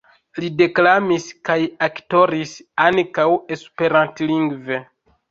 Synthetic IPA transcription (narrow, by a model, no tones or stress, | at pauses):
lide̞klamiskajakto̞ɾisaŋkawe̞spe̞ɾantliŋɡve